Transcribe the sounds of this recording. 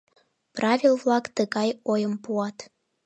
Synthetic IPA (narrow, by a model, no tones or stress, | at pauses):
prɑvʲilvlɑkt̪əɣɑjojəmpuɑt̪